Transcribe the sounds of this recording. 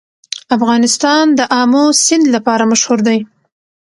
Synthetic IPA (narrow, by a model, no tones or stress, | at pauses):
afɣɑnɪst̪ɑnd̪əʔɑmosɪnd̪lapɑɾamaʃhuɾd̪aj